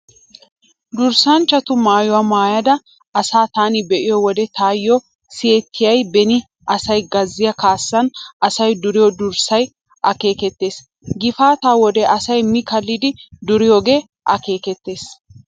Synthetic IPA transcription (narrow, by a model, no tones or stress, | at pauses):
d̪ʊɾsɐnt͡ʃːɐt̪ʊmaːjʊwaːmaːjɐd̪ɐ | ɐsaːt̪aːnɪbɛʔɪjɔwɔd̪ɛt̪aːjːɔ | sɪeːt̪ʰːɪjɐjbɛnɪ | ʔɐsɐjɡɐzːɪjɐkaːsːɐnɐsɐjd̪ʊɾɪjɔd̪ʊɾsɐj | ʔɐke̞ːkɛt̪ːe̞ːs | ɡɪfaːt̪aːwɔd̪ɛʔɐsɐjmɪkɐlːɪd̪ɪd̪ʊɾɪjoːɡe̞ː | ʔɐ̰ke̞ːkɛt̪ːe̞ːs